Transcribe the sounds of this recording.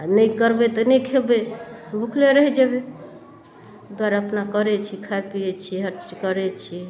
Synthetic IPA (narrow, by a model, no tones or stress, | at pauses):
nəjkəɾbɛt̪ɔnɛkʰebebʱukʰleɾəɦɛd͡ʒebe | ɡoaɾəpnakəɾɛt͡ʃʰikʰapiɛt͡ʃʰiɦəɾt͡ʃkəɾɛt͡ʃʰi